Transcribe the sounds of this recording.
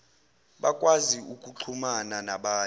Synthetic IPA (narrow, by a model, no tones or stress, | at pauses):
ɓakʼwaziukʼuǁʰumananaɓaː